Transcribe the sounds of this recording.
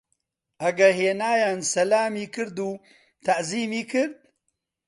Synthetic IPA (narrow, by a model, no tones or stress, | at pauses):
ʔɐɡɐɾheːnaːjaːnsɐlaːmiːkɨɾd̪uː | t̪ʰɐʔziːmiːkʰɨɾd̪̚